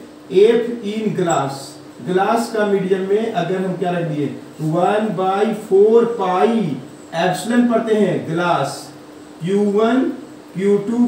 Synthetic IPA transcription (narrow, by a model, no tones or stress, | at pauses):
eːʈʰiːnɡlaːs | ɡlaːskamiːɖijəmːẽʔɐɡəɾɦɐ̃mkjaɾɐkʰd̪ieːt̪owənbaːipʰoːɾpaːi | ɛːbslẽmpɐɾt̪eɦɛ̃ɡlaːs | kjuːwən | kjuːʈuː